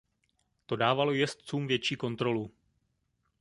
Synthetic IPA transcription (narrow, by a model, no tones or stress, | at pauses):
t̪o̞daːvalo̞jɛst̪t͡suːmvjɛt͡ʃiːko̞nt̪ɾo̞lu